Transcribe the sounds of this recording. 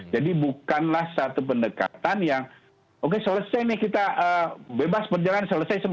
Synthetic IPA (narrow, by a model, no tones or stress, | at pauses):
d͡ʒadibukanlahsat̪upəndəka̰t̪anjaŋ | ʔokesələsajnɪkit̪aʔəbebaspərd͡ʒalaansələsajsəm